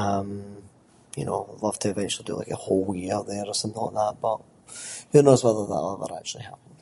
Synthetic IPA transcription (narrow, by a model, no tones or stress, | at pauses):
ʌ̃m | jɨ̰no̰ʊlʌv̥tʰɨɨvɛ̃nt͡ʃl̩ˠidə̰la̰ɪkəhoʊlˠjjɪɹðəɹəsʌ̃mθɪ̃ŋla̰ɪk̚ðæt̚b̥ʌt̚ | jɨnoʊzwɛðə˞ðə̰ʔˠɛvə̰˞a̰k̚t͡ʃʉl̩ˠihapə̃n̩d̥